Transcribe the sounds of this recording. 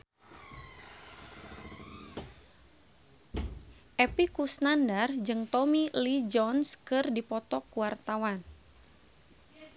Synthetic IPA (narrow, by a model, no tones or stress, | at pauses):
ʔɛpikusnandard͡ʒɨŋt̪ɔmilid͡ʒɔnskɨrdipɔt̪ɔkuwart̪awan